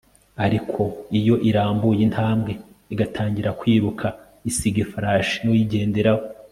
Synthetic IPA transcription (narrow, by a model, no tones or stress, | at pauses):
aɾikʰo̞ijo̞ʔiɾaːmbujinhaːmbɡe̞ | iɡatʰaːɲɟiɾakwiːɾukʰa | isiɡefaɾaʃinuwiɟe̞ːnde̞ɾawo